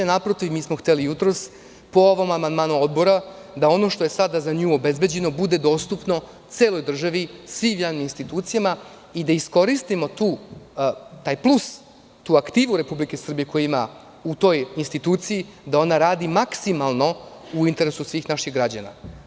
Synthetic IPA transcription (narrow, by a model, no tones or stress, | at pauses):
napɾo̞t̪iʋmiːsmo̞xt̪elijut̪ɾo̞s | po̞oʋo̞mamand̪maːnud̪bo̞ɾa | d̪ao̞no̞ʃt̪o̞je̞sad̪azaɲuːo̞be̞zbe̞d͡ʑe̞no̞bud̪e̞d̪o̞st̪upno̞ | t̪seːlo̞jd̪r̩ʒaʋisʋiːmjaʋniminst̪it̪uːt̪sijama | id̪aisko̞ɾist̪imo̞t̪uː | t̪aːjplˠus | t̪uːakt̪iːʋuɾe̞publike̞sr̩bije̞ko̞jiima | ut̪o̞ːjinst̪it̪uːt̪sijid̪ao̞naɾaːd̪imaksimalˠno̞uint̪e̞ɾesusʋiːxnaʃiɣɡɾad͡ʑa̰na̰